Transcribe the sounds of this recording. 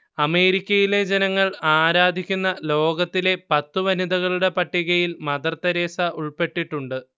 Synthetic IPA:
ɐme̞ːɾikʲːɐjile̞d͡ʑenɐŋːɐɭaːɾaːd̪ʱikʲːunːɐlo̞ːɡɐt̪ːile̞pɐt̪ːuʋɐnid̪ɐɣɐɭuɽe̞pɐʈːiɣɐjilmɐd̪ɐrt̪ːɐɾe̞ːsɐʔuɭpe̞ʈːiʈːuɳɖɨ

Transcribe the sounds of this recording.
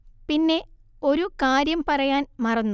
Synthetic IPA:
pinːe̞ | o̞ɾukaːɾjɐmpɐrɐjaːnmɐrɐnːu

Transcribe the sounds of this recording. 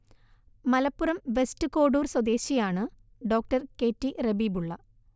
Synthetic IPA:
mɐlɐpːurɐmʋe̞stɨko̞ːɽuːrswɐd̪e̞ːɕijaːɳɨ | ɖo̞ːk̚ʈɐrke̞ːtːirebiːbuɭːɐ

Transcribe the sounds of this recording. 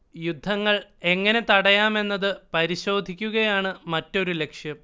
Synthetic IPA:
jud̪ʱːɐŋːɐɭe̞ŋːɐne̞t̪ɐɽɐjaːme̞nːɐðɨpɐɾiɕo̞ːd̪ʱikʲːuɣɐjaːɳɨmɐtːo̞ɾule̞kʂjɐm

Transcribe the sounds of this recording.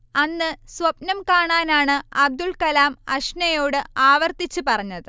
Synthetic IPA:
ɐnːɨswɐpnɐmkaːɳaːnaːɳɨɐb̚d̪ulkɐlaːmɐʂnɐjo̞ːɽɨaːʋɐrt̪it͡ɕːupɐrɐɲːɐðɨ

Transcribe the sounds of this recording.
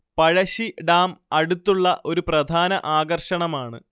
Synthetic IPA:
pɐɻɐɕiɖaːmɐɽut̪ːuɭːɐʔo̞ɾuprɐd̪ʱaːnɐʔaːɡɐrʂɐɳɐmaːɳɨ̰

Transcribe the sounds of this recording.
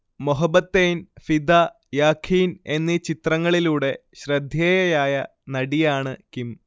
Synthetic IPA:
moɦɐbːɐt̪ːejnfid̪a | jaːkʰiːne̞nːit͡ɕit̪rɐŋːɐɭiluːɽe̞ɕrɐd̪ʱjeːjɐjaːjɐ | nɐɽijaːɳɨkim

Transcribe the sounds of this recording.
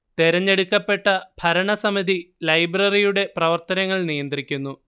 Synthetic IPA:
t̪eɾɐɲːe̞ɽukːɐpːe̞ʈːɐb̥ʱɐɾɐɳɐsɐmiðʱilɐjbrɐrijuɽe̞prɐʋɐrt̪ɐnɐŋːɐɭnijɐnd̪rikʲːunːu

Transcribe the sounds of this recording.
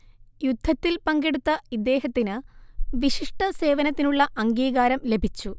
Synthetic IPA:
jud̪ʱːɐt̪ːilpɐŋɡeɽut̪ːɐid̪ːe̞ːɦɐt̪ːinɨʋiɕiʂʈɐse̞ːʋɐnɐt̪ːinuɭːɐʔɐŋɡiːɣaːɾɐmle̞bʱit͡ɕːu

